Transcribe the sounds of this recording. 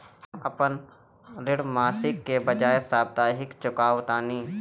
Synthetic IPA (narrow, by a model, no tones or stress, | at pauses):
ɐpən | ɾɪɽmaːsɪkːebəd͡ʒaːesaːb̚d̪aːɦɪkt͡ʃʊkaːwt̪aːniː